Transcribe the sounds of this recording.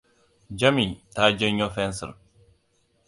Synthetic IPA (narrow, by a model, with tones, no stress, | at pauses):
d͡ʒa˦mi˨taː˦d͡ʒɛ˦ɲɔ˦fɛnsə̰˨ɾ